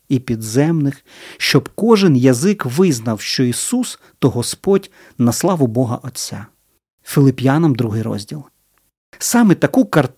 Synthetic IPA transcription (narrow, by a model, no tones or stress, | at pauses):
ipʲid̪zɛmnɪx | ʃt͡ʃɔbkɔʒɪnjɐzɪkʋɪznɐwʃt͡ʃɔisus | t̪ɔɦɔspɔdʲ | nɐslˠɑʋʊbɔɦɐ̰ʔɔt͡sʲːa | fʲɪlˠɪpʲjɑnɐmd̪ɾuɦɪjɾɔ̰zʲdʲilˠ | sɑmɛt̪ɐkukɐrt̪